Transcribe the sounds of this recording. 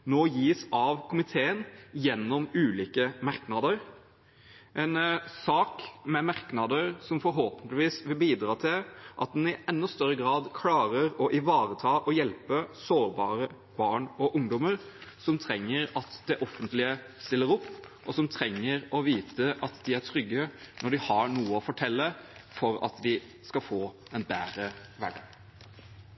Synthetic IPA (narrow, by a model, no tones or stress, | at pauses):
noːjiːsɑʋkʰʊmɪt̪ʰeːənjɛnːɔmʉːliːkəmɑɾknɑd̪əɾ | ʔɛɪnsɑːkmɛmɑɾknɑd̪əɾsɔmfɔɾɦoːpənt̪lɪʋiːsʋɪlbiːd̪ɾɑːt̪ʰɪlʔɑt̪̚d̪ɛnɪʔɛnːɔst̪œɾːəɡɾɑːd̪kʰlɑːɾəɾɔʔɪʋɑːɾət̪ʰɑːʔɔjɛlpəsoːɾbɑːɾə | b̥ɑːɳɔʔʊŋd̪ɔməɾ | sɔmt̪ʰɾɛŋːəɾɑt̪d̪ɛʔɔfːənt̪lɪə | st̪ɪlːəɾɔpː | ʔɔsɔmt̪ʰɾɛŋːəɾɔʋiːt̪əʔɑt̪d̪ɪæʈʰɾʏɡːənɔɖɪhɑɳuːəɔfɔʈʰɛlːəfɔɾɑ̰t̪d̪ɪ | skɑfoːɛnbæ̰ːɾəʋæɖɑ